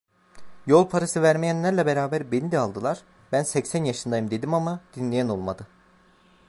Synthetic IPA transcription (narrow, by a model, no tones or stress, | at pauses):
jo̞lˠpʰaɾasɯvæɾmejænlːʲæɾlʲɛbeɾaːbæɾbenid̪ɛalˠd̪ɯlˠaɾ̥ | bænsɛcsænjaʃɯnd̪ajɯmd̪e̞d̪imamad̪̥inlʲejæno̞lˠmad̪ɯ